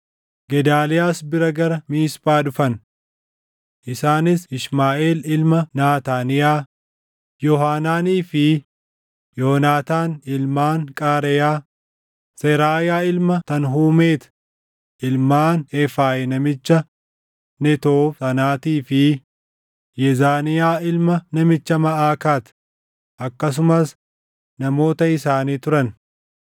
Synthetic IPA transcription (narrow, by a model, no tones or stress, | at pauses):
ɡɛd̪aːlɪjaːsbɪɾɐɡɐɾɐmiːsbaːdʊfɐn | ʔɪsaːnɪsɪʃmaːʔeːlɪlmɐnaːt̪aːnɪjaː | jɔɦaːnaːniːfɪ | joːnaːt̪aːnɪlmaːŋkʼaːɾɛjaː | sɛɾaːjaːɪlmɐt̪ɐnɦuːmeːt̪ | ʔɪlmaːnɛfaːʔɛnɐmɪt͡ʃːɐ | nɛt̪oːsɐnaːt̪iːfɪ | jɛzaːnɪjaːɪlmɐnɐmɪt͡ʃːɐmɐʔaːkaːt̪ | ʔɐkːɐs̬ʊmɐs | nɐmo̞ːt̪ɐɪsaːniːt̪ʊɾɐn